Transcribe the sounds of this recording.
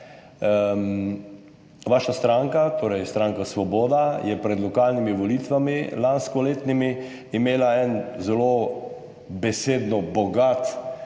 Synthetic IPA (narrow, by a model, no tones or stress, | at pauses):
ʋaːʃast̪ɾaŋkat̪ʰoːɾɛjst̪ɾaːŋkasʋɔbɔːd̪ajɛpɾɛd̪lɔkaːlnimiʋɔlit̪ʋamilanskɔleːt̪nimiː | meːlaɛnzɛlo | bɛseːd̪nɔbɔɡat̪